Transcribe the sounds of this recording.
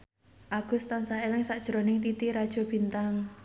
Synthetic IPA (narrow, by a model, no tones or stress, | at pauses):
ʔaɡ̥ʊ̤st̪ansahelɪŋsaʔd̥ʒ̥ɾonɪŋt̪it̪iɾad̥ʒ̥ɔ̤b̥i̤nt̪aŋ